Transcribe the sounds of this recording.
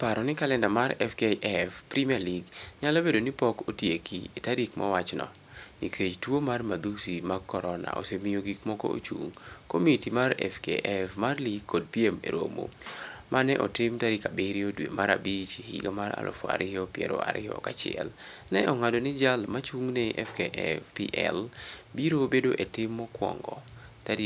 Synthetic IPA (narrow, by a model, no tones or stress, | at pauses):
paɾɔnɪkalɛndamaɾɛfkeʔɛfpɾimaliɡɲalobedonipɔkotjekʰietaɾikmʔɔ̰wat͡ʃnɔ̰ | nikʰet͡ʃtwomarmad̪usimaɡkːɔɾɔna̰ʔo̰semijoɡikmɔkɔ̰o̰t͡ʃṵŋkomitimarɛ̰fkḛʔɛfmarliɡkʰːod̚piemḛɾo̰mo̰mʔanɛʔɔtɪmtaɾikabeɾjodwemaɾabit͡ʃihḭɡamaɾa̰lʔo̰fa̰ɾʔɪjɔpjɛ̰ɾo̰a̰ɾʔɪɔ̰kat͡ʃɪɛlnɛʔɔŋadonɪd͡ʒalmat͡ʃuŋneʔɛfkeʔɛfpḭʔɛ̰lbiɾobedoʔetɪmːɔkwɔ̰ŋɡɔ | tad